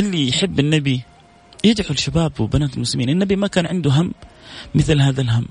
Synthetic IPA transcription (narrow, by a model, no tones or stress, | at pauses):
ʔɪlːijħɪbːɪnːabi | jɪd͡ʒħulʃabaːbwɪbanaːt̪ɪlmʊslɪmiːnɪnːabimakaːnʕɪnd̪uɦamːɪθlɦaːðalɦamː